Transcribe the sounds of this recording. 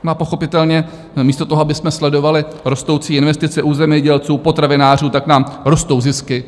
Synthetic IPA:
maːpo̞xo̞pɪt̪ɛlɲɛ | miːst̪o̞t̪oɦoabɪsmɛslɛdo̞valɪ | ɾo̞st̪o̞wt͡siːɪnvɛst̪ɪt͡sɛʔuːzɛmɲɛɟɛlt͡suːpo̞t̪ɾavɪnaːr̝uːt̪aknaːmɾo̞st̪o̞wzɪskɪ

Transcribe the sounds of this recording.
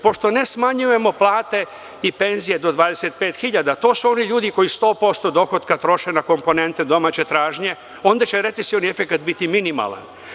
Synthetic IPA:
po̞ʃt̪o̞ne̞smaɲuje̞mo̞plˠaːt̪e̞ | ipe̞nzije̞d̪o̞d̪ʋaːd̪e̞se̞t̪̚pe̞ːt̪xiʎad̪at̪o̞ːsuo̞niʎuːd̪iko̞jist̪o̞ːpo̞st̪o̞d̪o̞xo̞t̪kat̪ɾo̞ʃenako̞mpo̞ne̞nt̪ed̪o̞maːt͡ɕe̞t̪ɾaːʒɲe̞ | o̞ːnd̪at͡ɕe̞ɾe̞t̪sesijoniefe̞kat̪bit̪iminima̰lˠa̰n

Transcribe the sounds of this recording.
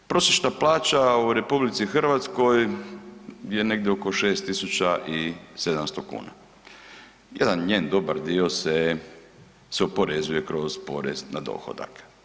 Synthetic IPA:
pɾo̞seʃt̪aplaːt͡ʃauɾe̞publit̪sixrʋat̪sko̞j | je̞ne̞ɡd̪ʲjeoko̞ʃe̞ːst̪isut͡ʃaʔise̞d̪amst̪okṵːna̰ | jed̪anɲeːnd̪o̞baɾd̪io̞se | seopo̞ɾe̞zuje̞kɾo̞zpo̞ɾḛznad̪o̞̰xo̰d̪a̰k

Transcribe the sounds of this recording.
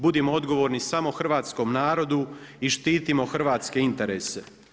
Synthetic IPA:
bud̪imoo̞d̪ɡo̞ʋoɾnisamo̞xr̩ʋaːt̪sko̞mnaːɾo̞d̪uiʃt̪iːt̪imo̞xr̩ʋaːt̪ske̞int̪e̞ɾeːse̞

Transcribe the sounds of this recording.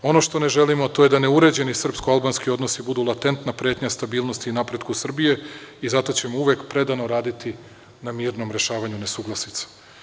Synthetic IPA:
o̞no̞ʃt̪o̞neʒe̞limot̪o̞je̞d̪ane̞uɾe̞d͡ʑe̞nisr̩pskoalˠbanskio̞d̪no̞sibud̪ulˠat̪e̞nt̪napɾjeːt̪ɲast̪abiːlno̞st̪iːnapɾe̞d̪kusr̩bije̞izat̪o̞t͡ɕe̞mouʋe̞kpɾe̞d̪ano̞ɾaːd̪it̪i | namiːɾno̞mɾe̞ʃaːʋaɲune̞suɡlˠasit̪sḁ

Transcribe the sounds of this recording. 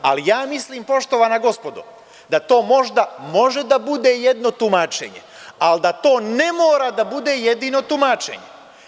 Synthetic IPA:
a̰lijaːmisliːmpo̞ʃt̪oʋanaɡo̞spo̞d̪ṵ | d̪at̪o̞ːmo̞ʒd̪amo̞ʒe̞d̪abud̪e̞ːjed̪no̞t̪umaːt͡ʃḛɲḛ | ald̪at̪o̞ːne̞moːɾad̪abud̪e̞ːjed̪iːno̞t̪umat͡ʃe̞̰ɲe

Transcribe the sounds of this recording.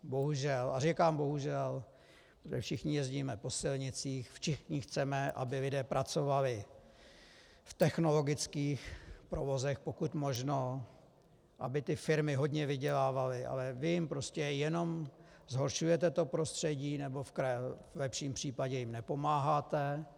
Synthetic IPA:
bo̞ɦuʒɛlʔarikaːmbo̞ɦuʒɛl | pot̪ʒɛ̰fʃɪxɲɪjɛzɟiːmɛpo̞sɪlɲɪt͡siːxfʃɪxɲɪxt͡sɛmɛʔa̰bɪlɪdɛːpɾʔat͡so̞valɪ | ft̪ɛxno̞lo̞ɡɪt͡skiːxpɾovo̞zɛxpo̞kut̪mo̞ʒno̞ | ʔa̰bɪt̪ɪfɪɾmɪɦo̞dɲɛvɪɟɛlaːvalɪʔa̰lɛvɪjɪmpɾo̞scɛjɛno̞m | zɦo̞ɾʃujɛt̪ɛt̪o̞pɾost̪r̝̥ɛɟiːnɛbo̞fkɾaɛvlɛpʃiːmpr̝̥iːpaɟɛjɪmnɛpo̞maːɦaːt̪ɛ

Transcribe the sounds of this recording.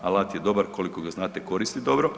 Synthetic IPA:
alˠat̪jed̪o̞baɾko̞likoɡaznaːt̪eko̞ɾist̪id̪o̞bɾo

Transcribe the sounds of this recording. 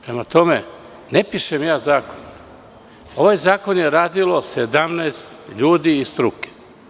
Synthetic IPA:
pɾemat̪o̞me | nepiʃemjaːzaːkon | o̞ʋajzaːko̞njeɾaːd̪ilˠo̞sed̪amneːst̪ʎuːd̪iːst̪ɾuke̥

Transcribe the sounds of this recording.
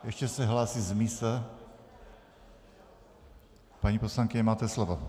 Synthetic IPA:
jɛʃcɛsɛɦlaːsizmisɛ | paɲiːposlaŋkɪɲɛmaːt̪ɛslovo

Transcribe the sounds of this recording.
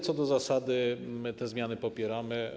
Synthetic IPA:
t̪sɔd̪ɔzasad̪ɘmɘt̪ɛzmʲjanɘpɔpʲjɛɾamɘ

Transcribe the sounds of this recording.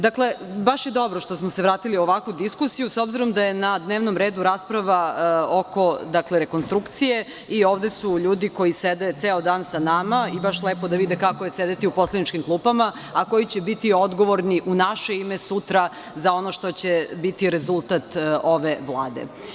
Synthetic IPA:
d̪akle̞baʃjed̪o̞bɾoʃt̪osmoseʋɾaːt̪iliuoʋakʋud̪iskusijusobziɾomd̪aje̞nad̪neʋnomɾeːd̪uɾaːspɾaʋaoko̞d̪akleɾeko̞nst̪ɾukt̪sije̞ | ioːʋd̪e̞suʎuːd̪iko̞jised̪et̪seːod̪aːnsanamaibaʃlˠeːpod̪aʋid̪ekakojesed̪et̪iupo̞slˠenit͡ʃkimklˠuːpama | ako̞jit͡ɕebit̪io̞d̪ɡoʋoɾniʔunaʃe̞imesut̪ɾa | zao̞noʃt̪o̞t͡ɕebit̪iɾezulˠt̪at̪o̞ʋeʋlˠaːd̪ḛ

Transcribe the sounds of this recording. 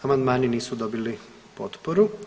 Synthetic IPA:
amand̪maːniniːsud̪o̞bili | po̞t̪poɾu

